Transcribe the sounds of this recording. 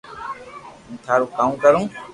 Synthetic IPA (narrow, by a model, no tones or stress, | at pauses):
ũːt̪ʰaːɾuːkaːũkəɾũː